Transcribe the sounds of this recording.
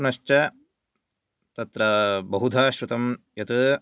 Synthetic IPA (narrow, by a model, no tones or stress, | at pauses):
nɐʃt͡ʃɐ | t̪ɐt̪ɾɐbɐɦud̪ʱaːʃɾut̪ɐmjɐt̪ɐ